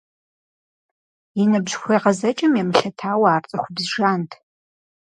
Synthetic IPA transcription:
inɨbʒxʷejʁɐzɐt͡ʃʼɐmjɛmɨɬɐtʰaːwɐaːrt͡sʼɐχʷʊbzʒaːntʰ

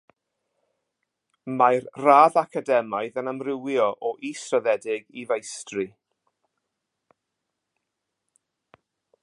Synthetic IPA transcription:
majrraːðakʰadɛmajðənamrɪwjɔʔɔʔisrəðɛdɪɡivejstrɨ

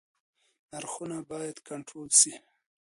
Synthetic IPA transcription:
naɾxunabɑjad̪kaɳʈɾolsi

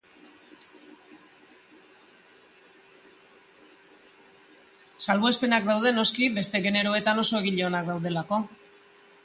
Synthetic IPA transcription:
salβoespe̞nakd̪awð̞e̞no̞skibe̞st̪e̞ɣe̞ne̞ɾo̞e̞t̪ano̞so̞eɣiʎeo̞nakd̪awðe̞lako̞

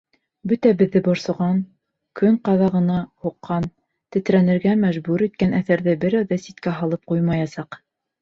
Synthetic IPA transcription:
bɵt̪æbɘ̆ðːɘbŏɾsŏʁɑn | kʰɵŋqɑðɑʁɤ̆nɑhuqːɑn | t̪ɘ̆t̪ɾænɘ̆ɾɡæmæʒbuɾit̪̚kænæθæɾðɘbɘ̆ɾæwðæsit̪kæɦɑlˠɤp̚qujmɑjɑsɑq

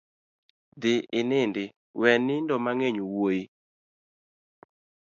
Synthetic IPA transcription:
d̪ɪɪnɪndɪ | wɛnɪndɔmaŋeɲowoji

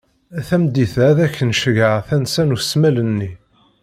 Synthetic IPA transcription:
æθæmd̪iθæðæçːənʃəʝəʁθænsænusmælənːi

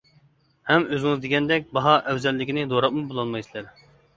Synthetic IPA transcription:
hɛmøzɪŋɨzd̪eɡʲɛnd̪ɛk̚ʲbɑɦɑʔɛwzɛlːɪkʲinɪd̪oɾɑp̚mubolˠɑnmɑjsɨlˠæɾ

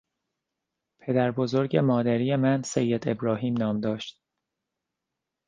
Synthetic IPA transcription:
pʰe̞d̪æɾbo̞zoɾɟe̞mɒːd̪æɾiːje̞mænsejːed̪e̞bɾɒːɦiːmnɒːmd̪ɒːʃt̪̚

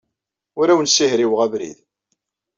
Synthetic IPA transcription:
ʊɾæwənsihɾiwʁævɾḭð

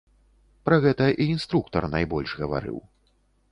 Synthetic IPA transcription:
pɾɐɣɛt̪ɐʔiinst̪ɾuk̚t̪ɐrnajbɔlʲʂɣɐva̰ɾɨ̰w

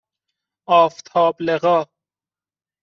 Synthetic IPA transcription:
ɒːft̪ʰɒːbleɣɒː

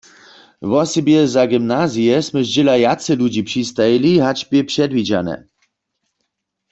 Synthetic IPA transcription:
vɔsɛbjɛzaɡimnazijɛsmɛʒd͡ʑɛlajat̪sɛlud͡ʑipʂist̪ajiliɦat͡ʃbʲjɛpʂɛd̪vid͡ʑa̰nɛ̰

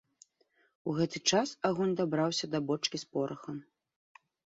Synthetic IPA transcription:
uɣɛt̪ɨt͡ʂasaɣɔnʲd̪abɾawsʲɐd̪ɐbɔt͡ʂkʲispɔɾɐxɐm

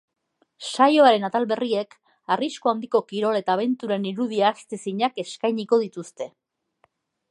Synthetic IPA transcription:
sajo̞aɾe̞nat̪alβe̞rie̞k | arisko̞and̪iko̞kiɾo̞le̞t̪aːβ̞e̞nt̪uɾeniɾuð̞iaːst̪e̞siɲake̞skajɲiko̞ðit̪ust̪e̞

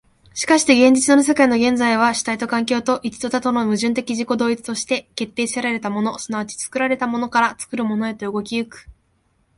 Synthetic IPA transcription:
ɕi̥kaɕi̥t̪e̞ɡẽ̞ɲ̟d͡ʑit͡sɨnoos̬e̞kaino̞ɡẽ̞nd͡zaiβ̞aɕi̥t̪ait̪o̞kãŋk̬ʲo̞ːt̪o̞ʔit͡ɕi̥t̪ot̪at̪ono̞mɯ̟ʑɨ̃nt̪̬e̞kʲiʑiko̞d̪o̞ːit͡sɨ̥t̪o̞ɕi̥t̪e̞ke̞t̪ːe̞ːseɾaɾe̞t̪amo̞no̞sɨnaβat͡ɕi̥t͡sɨ̥kɯ̟ɾaɾe̞t̪amo̞no̞kaɾat͡sɨ̥kɯ̟ɾɯ̟mo̞no̞e̞t̪o̞ɯ̟ɡo̞kʲiɯkɯ̟̥

